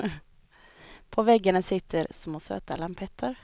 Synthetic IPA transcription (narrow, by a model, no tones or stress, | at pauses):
pʰɔvɛɡːaɳasɪt̪ʰːəɾsmoːsø̰ːt̪a̰lampʰɛt̪ʰːəɾ